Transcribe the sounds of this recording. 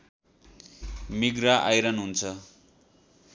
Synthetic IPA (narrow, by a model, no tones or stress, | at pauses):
miɡraʔajɾʌnɦunt͡sʰʌ